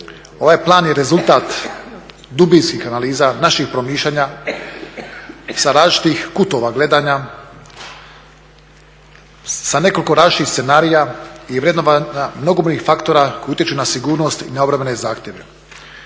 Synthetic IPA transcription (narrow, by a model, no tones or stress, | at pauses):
o̞ʋajplˠaːnjeɾe̞zulˠt̪at̪ | d̪ubinskixanaliːzanaʃixpɾo̞miːʃʎaːɲa | saɾaːzt͡ʃi̥t̪ixkut̪o̞ʋaɡle̞d̪aːɲa | sane̞ko̞lʲiko̞ɾaːʃit̪ise̞naːɾijaiʋɾjed̪noanamno̞ɡoboɲixfakt̪o̞ɾako̞jut̪jet͡ʃunasiɡuːɾno̞st̪ḭnaobɾamenezaːxt̪ʲje̞ʋḛ